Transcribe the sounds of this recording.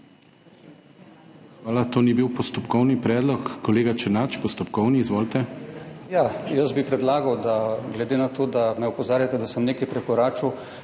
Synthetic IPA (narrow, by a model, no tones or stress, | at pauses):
xʋaːlat̪oːnibiwpɔst̪ɔpkɔwnipɾɛːd̪lɔkːɔleːɡat͡ʃɛnat͡ʃpɔst̪ɔpkɔwniːzʋoːlt̪ɛjajəzbipɾɛd̪laːɡɐwd̪aɡlɛd̪enat̪oːd̪amɛɔpɔzaːɾjat̪ɛd̪asəmneːkajpɾɛkɔɾaːt͡ʃuw